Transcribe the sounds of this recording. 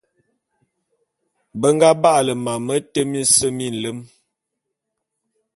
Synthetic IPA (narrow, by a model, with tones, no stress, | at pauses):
bə˦ŋ˦ɡa˦ba˦ʔlə˨ma˨mə˦tə˦mi˦n˦sə˦mi˦˨n̩˨lə˦m